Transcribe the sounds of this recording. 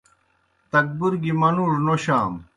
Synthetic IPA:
t̪ɐk̚buɾɡimɐnuːʐnoɕaːm

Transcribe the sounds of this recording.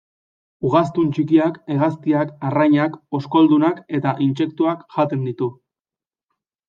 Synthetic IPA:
uɣast̪unt͡ʃikiake̞ɣ̞ast̪iakarajɲako̞sko̞ld̪unake̞t̪aʔinse̞k̚t̪uakʝat̪e̞nd̪it̪u

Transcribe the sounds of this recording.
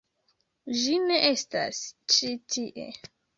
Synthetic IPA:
d͡ʒine̞ʔesta̰st͡ʃitʰiʔḛ

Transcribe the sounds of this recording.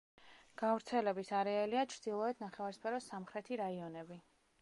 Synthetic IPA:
ɡ̥avɾt̪sʰɛlɛbisaɾɛaliat͡ʃʰɾd̪̥ilˠɔɛt̪ʰnaχɛvaɾspʰɛɾɔsamχɾɛt̪ʰiɾaiɔnɛbi

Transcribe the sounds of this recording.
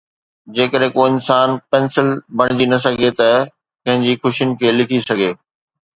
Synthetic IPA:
d͡ʑeːkəɗɦẽkoɪnsaːnpɛ̃ːnsɪlbɐɽ̃ɪd͡ʑinɐs̬ɐɡʱet̪ɐ | pɐ̃ɦɪ̃ɲd͡ʑixʊʃijʊnɪ̆kʰeːlɪkʰisɐɡʱeː

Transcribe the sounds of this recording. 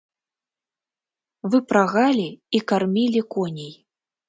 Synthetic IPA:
vɨpɾaɣalʲiikarmʲilʲikɔnʲij

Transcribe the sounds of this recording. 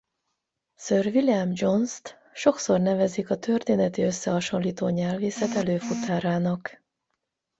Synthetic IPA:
søːrviljamd͡ʒo̞nst̪ | ʃo̞kso̞rnɛvɛzikɒt̪ʰø̞rt̪eːnɛt̪iø̞sːɛɦɒʃo̞nliːt̪oːɲɛlveːsɛt̪ɛløːfut̪aːɾaːnɒk

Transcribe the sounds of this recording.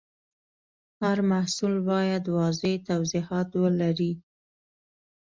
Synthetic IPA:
haɾmahsulbɑjad̪wɑzet̪awzihɑt̪wəlaɾi

